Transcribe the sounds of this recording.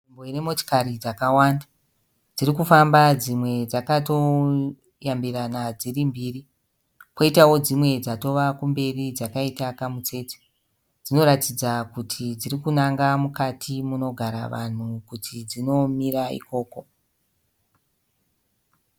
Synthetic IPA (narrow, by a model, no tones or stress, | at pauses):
imbo̞iremoto̥kaɾid͡zakawanda | d͡zirikufambad͡zimwe̞d͡zakato̞ | jambiɾanad͡zirimbiːri | po̞itawo̞d͡zimwe̞d͡zato̞ʋakumbe̞rid͡zakaitakamut͡se̞te̥ | d͡zino̞ɾatid͡zakutʰid͡ziɾikunaŋɡamukatʰimuno̞ɡʱaɾa̰ʋa̰n̤ukutʰid͡zino̞miraḭko̞ːko̞